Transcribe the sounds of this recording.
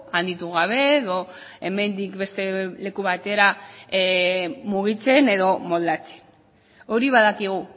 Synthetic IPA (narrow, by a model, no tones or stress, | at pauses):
and̪it̪uɣ̞aβ̞e̞ːðo̞ | e̞me̞nd̪ikbe̞st̪e̞le̞kuβat̪e̞ɾa | muɣ̞it͡se̞ne̞ðo̞mo̞ld̪at͡se̞̥n | o̞ɾiβaðakiɣ̞u